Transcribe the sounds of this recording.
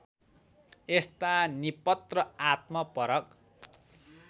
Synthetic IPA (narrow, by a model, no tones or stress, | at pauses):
est̪anipʌt̪rʌat̪̚mʌpʌɾʌk̚